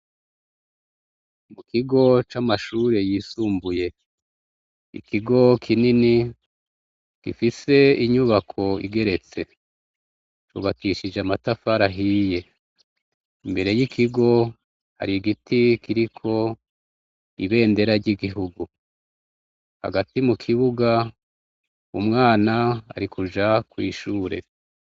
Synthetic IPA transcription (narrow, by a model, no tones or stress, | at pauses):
mukʰiɡo̞t͡ʃamaʃuːɾe̞jiːsuːmbuje̞ | ḭkʰiɡo̞kʰinini | ɡ̥ifise̞iɲuβakʰo̞ḭɡe̞ɾe̞t͡se̞ | t͡ʃṵβakiʃid͡ʒamatafaɾaɦije̞ | imbe̞ɾe̞jikʰiɡo̞ | ha̰ɾiɡitikiɾikʰo̞ | iβe̞ːnde̞ɾaɾɟiɡiɦuɡu | ha̰ɡatimukʰiβuɡa | umŋaːna̰ːɾikʰud͡ʒakwiːʃuːɾe̞